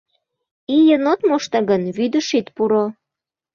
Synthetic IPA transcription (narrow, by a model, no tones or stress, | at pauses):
ijənot̪moʃt̪ɑɣənβyd̪əʃit̪puɾo